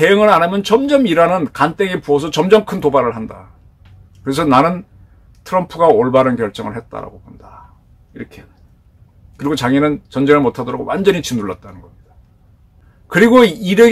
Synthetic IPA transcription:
te̞jɯŋɯɾanamjʌnt͡ɕʌmd͡ʑʌmiɾanɯnkant͈eɡepuʌs̬ʰʌt͡ɕʌmd͡ʑʌmkʰɯntobaɾɯɭɦanda̰ | kɯɾe̞s̬ʰʌnanɯn | tʰɯɾʌmpʰuɡaoɭbaɾɯnkjʌɭt͡ɕ͈ʌŋɯɭhe̞t̚t͈a̰ɾa̰ɡokonda | iɾʌkʰe | kɯɾiɡot͡ɕaŋinɯnt͡ɕʌnd͡ʑeŋɯɭmotʰadʌɾaɡo̰wʔand͡ʑʌɲit͡ɕinːuɭːa̰t̚t͈anɯnɡʌmɲid̥a | kɯɾiɡoiɾe

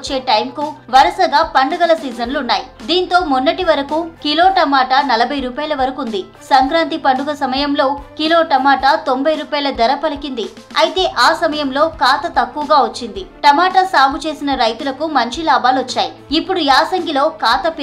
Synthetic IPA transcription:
t͡ʃːe̞ːʈɐjmkuʋɐɾɐsɐɡaːpɐɳɖɐɡɐlɐsiːd͡ʒɐnluunːaːjid̪iːnt̪o̞ːmunːɐʈiʋɐɾɐkukilo̞ːʈɐmaːʈanɐlɐbʱɐjɾuːpaːjɐlɐʋɐɾɐkund̪i | sɐŋkɾaːnt̪ipɐɳɖuɡɐsɐmɐjɐmlo̞ːkiloːʈɐmaːʈat̪o̞mbɐjɾuːpaːjɐlɐd̪ɐɾɐpɐlikind̪i | ɐjit̪e̞ːʔaːsɐmɐjɐmlo̞ːkaːt̪ɐt̪ɐkːuʋɐɡaːʋɐt͡ʃːind̪iʈɐmaːʈasaːbʱut͡ʃe̞ːsinɐɾɐjt̪ulɐkumɐɲt͡ʃilaːbaːluʋɐt͡ʃːaːji | ipːuɽujaːsɐŋɡilo̞ːkaːt̪ɐpi

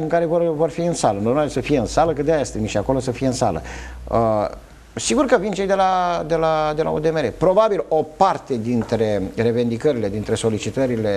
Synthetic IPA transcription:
ɨŋkaɾe̞vorvo̞rfiɨnsalənlomaɾesəfijeɨnsaləkɨt̪d̪eajest̪emiʃiako̞lo̞səfijeɨnsa̰lə̰ə | siɡurkəvint͡ʃejd̪e̞lad̪e̞lad̪e̞lʔa̰od̪e̞meɾepɾo̞babilo̞part̪e̞d̪int̪ɾe̞re̞ve̞nd̪ikəɾile̞d̪int̪ɾe̞so̞lit͡ʃit̪əɾile̞

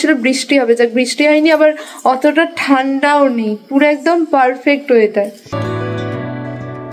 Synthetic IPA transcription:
ilobɾiʃʈiɦɔbed͡ʑak̚bɾiʃʈiajniabaɾ | ɔt̪oʈaʈʰanɖaonejpuɾɛk̚d̪ompaɾfek̚ʈɦojet̪ae

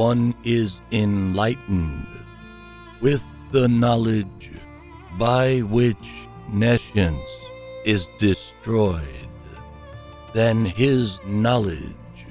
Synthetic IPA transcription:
ʌ̃nɪzɪ̃nlaɪʔn̩d | wɪðːənɑlˠɪd͡ʒ | baɪwɪt͡ʃ | neʃɨ̃nz | ɪzdɨstɹ̥ɔɪd̚ | ðɨ̃nɪznɑlˠɪ̰̥ʒ̥

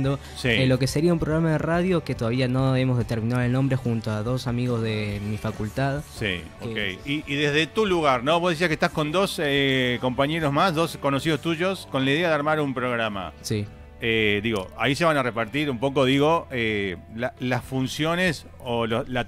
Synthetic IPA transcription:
d̪o | silo̞ke̞seɾiaumpɾoɣɾamað̞eraðjo̞ket̪oðaβianoemozðe̞t̪eɾminaðelnombɾe̞xunt̪oaðo̞samiɣo̞zðemifakult̪aðsḭ | okḛjiiːðezðet̪uluɣaɾnoβozðes̬iakeht̪asko̞nd̪o̞seko̞mpaɲe̞ɾozmasðo̞sko̞nosiðost̪uʒo̞sko̞nlaiðeaðeaɾmaɾumpɾoɣɾama̰si | ed̪iɣo̞̰a̰iseβanarepaɾt̪iɾumpo̞k̬o̞ðiɣo̞elalasfunsjo̞nes | olola

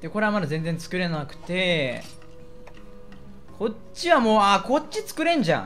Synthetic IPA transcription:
d̪̥eko̞ɾe̞amad̪azẽ̞nd͡zẽnt͡sɨ̥kɯ̟ɾe̞nonakɯ̟̥t̪e̞ | kʰo̞ | iβamo̞ːako̞t͡ɕːit͡sɨ̥kɯ̟ɾẽ̞ɲ̟d͡ʑã̰

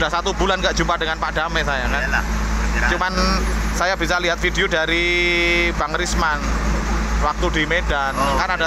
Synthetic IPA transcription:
dahsat̪ubulanɡaʔdd͡ʒumpadəŋanpadamesajaka | t͡ʃumansajabisaliɦat̪̚fideodaɾi | baŋɾisman | wak̚t̪udimedankanada

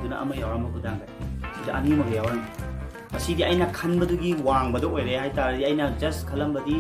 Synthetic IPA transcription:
dunɐ̰ʔɐ̰mɐjawɾambɐkʰudaŋɡajɐsidɐʔɐnimɐɡejawɾan | ɐsidiɐjnɐkʰɐnbɐduɡiwaŋbɐdɐojɾehajtaɾɐdiɐjnɐd͡ʒɐskʰɐlɐmbɐdi

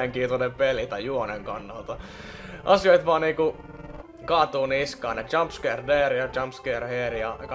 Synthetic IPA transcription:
eŋkiːnt̪onempelit̪ɑjjuoneŋkɑnːɑlt̪ɑ | ʔɑsioit̪ʋɑːniːku | kɑːt̪uːniskɑːnet͡ʃɑmpskerdeːrjɑt͡ʃɑmpskeːrheːrijɑk

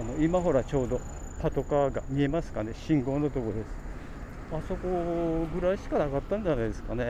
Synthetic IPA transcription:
ano̞imaɦo̞ɾat͡ɕo̞ːd̪o̞ | pat̪o̞kaɡamʲie̞masɨ̥kane̞ɕĩŋɡo̞ːnot̪o̞kod̪e̞sɨ̥ | aso̞ko̞ɡɯ̟ɾaiɕi̥kanakat̪ːãɲd͡ʑanajd̪e̞sɨ̥kane̞

